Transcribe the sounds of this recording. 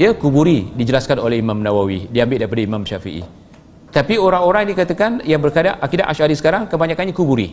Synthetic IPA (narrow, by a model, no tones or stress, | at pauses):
iakubuɾidid͡ʒəlaskanolɛɦimãmnãwawidiambɪt̪̚daɾipadaimamʃafḭʔḭ | t̪apioɾaŋoɾaŋinikat̪akanjaŋbərkadaʔʔakidaʔaʃadisə̥kaɾaŋkəbaɲãkanɲakubuɾḭ